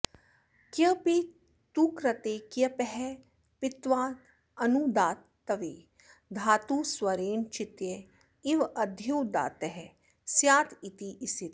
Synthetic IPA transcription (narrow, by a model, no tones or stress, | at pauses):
kiəpi | t̪ukɾɐt̪ekiəpɛɦɛ | pɪt̪ʋaː | ɐnud̪aːt̪ː | ɐʋeː | d̪ʱaːt̪uswɐɾeːnt͡ʃɪt̪je | iʋɐd̪ʱuːd̪a̰ːt̪ɛɦɛ | sjaːt̪it̪iʔisit̪